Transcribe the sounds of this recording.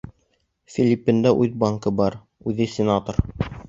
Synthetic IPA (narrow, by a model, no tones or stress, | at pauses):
fʲilʲipʲːɘ̆nd̪æʔʉðbɑŋkɤbɑɾ | ʉðɘsʲɪnat̪oɾ